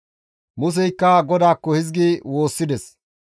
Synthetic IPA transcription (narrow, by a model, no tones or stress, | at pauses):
mʊs̬ɛjkːɐɡɔd̪aːkːɔhɪzɡiwo̞ːsːɪd̪ɛs